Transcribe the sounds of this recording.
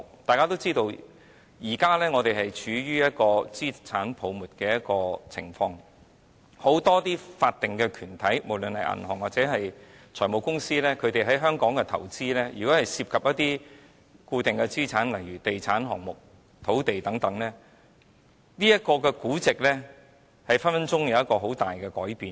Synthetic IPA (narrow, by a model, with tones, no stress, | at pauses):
t̪aː˨jkaː˥t̪o˥wt͡siː˥t̪o˧w | jiː˨˩kaː˥lɛː˥ŋɔː˨˧t̪e˨˩ɦɐ˨jt͡ʃʰyː˨˧jyː˥jɐ˥t̚kɔː˧t͡siː˥t͡sʰaː˨˥npʰo˨˧wmuː˨˩t̚kɛː˧jɐ˥t̚kɔː˧t͡sʰɪ̰˨˩ŋfɔː˧ŋ | ho˨˥wt̪ɔː˥t̪iː˥faː˧t̚t̪ɪ˨ŋkɛː˧kʰyː˨˩nt̪ʰɐ˨˥jmo˨˩wlɵ˨nhɐ˨jʔɐ̰˨˩nhɔː˨˩ŋwaː˨t̚t͡sɛː˨˥ɦɐ˨j | t͡sʰɔː˨˩jmo˨wkʊ˥ŋsiː˥lɛː˥kʰɵ˨˧t̪e˨jɦɐ˨˥jɦœː˥ŋkɔː˨˥ŋkɛ˧t̪ʰɐ˨˩wt͡siː˥lɛː˥jyː˨˩kɔː˨˥hɐ˨jsiː˧p̚kʰɐ˨p̚jɐ˥t̚t̪iː˥ | kuː˧t̪ɪ˨ŋkɛ˧t͡siː˥t͡sʰaː˨˥nlɐ˨˩jɥyː˨˩t̪e˨jt͡sʰaː˨˥nɦɔ̰ː˨˩ŋmʊ˨˩k̚ | t̪ʰo˨˥wt̪e˨jt̪ɐ˨˥ŋt̪ɐ˨˥ŋlɛː˥ | niː˥jɐ˥t̚kɔː˧kɛː˧kuː˨˥t͡sɪ˨k̚lɛː˥ | hɐ˨˩jfɐ˥nfɐ˥nt͡sʊ˥ŋjɐ˨wjɐ˥t̚kɔː˧ɦo˨˥wt̪aː˨˩jkɛː˧kɔː˨˥jpiː˨n